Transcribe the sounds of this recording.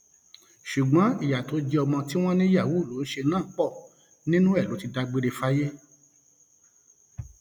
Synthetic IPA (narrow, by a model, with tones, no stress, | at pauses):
ʃu˨ɡ͡bɔ̃˨˦i˨ja˨to˨˦d͡ʒɛ˧ɔ˧mɔ̃˧ti˦w̃ɔ̃˦nĩ˦ja˦˨wu˦˨lo˨˦n̩˦ʃe˧nãː˦˨˦k͡pɔ˦˨ | nĩ˦nũ˦ɛ˦˨lo˨˦ti˧da˧ɡ͡be˧ɾe˧fa˦je˦